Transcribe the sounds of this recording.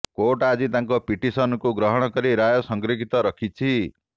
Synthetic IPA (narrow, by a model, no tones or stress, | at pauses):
koʈad͡zit̪aŋkopiʈisʌnkoɡɾʌɦʌɽ̃ʌkʌɾiɾajosʌŋɡɾiɡʱit̪ʌɾʌkʰit͡sʰi